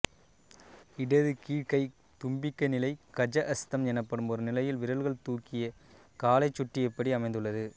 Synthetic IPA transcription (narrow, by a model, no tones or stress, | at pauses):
ɪɽɐðɯkiːɻkɐɪ | t̪ʊmbɪkːɐnɪlɐɪkɐd͡ʒɐʔɐst̪ɐmɛnɐpːɐɽɯmɔɾɯnɪlɐjɪlʋɪɾɐɭɣɐɭt̪uːkːɪjɐ | kaːlɐɪt͡ʃːʊʈːiɛpːɐɽiɐmɐɪnd̪ɯɭːɐðɯ